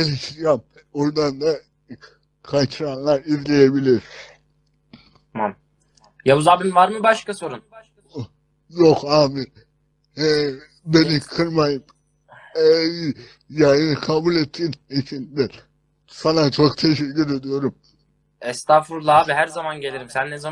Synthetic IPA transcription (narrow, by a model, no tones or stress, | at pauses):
elʲiʃt̪iɾjam | oɾd̪and̪a | kʰat͡ʃʰɯɾanlˠaɾizlʲejebilʲiɾ | mam | jabuzaːbimvaɾmɯbaʃkaso̞ɾun | jokaːmi | ɛ | be̞nikʰɯɾmajɯm | ɛ | jajɯnɯkʰabulʲet̪ʰːiːnit͡ʃʰind̪ɛ | sanat͡ʃʰokt̪ʰe̞ʃecʰːyɾe̞d̪ijo̞ɾum | ɛst̪ʰafuɾlˠaabiɦæɾzamanɟe̞lʲiɾimsænːeza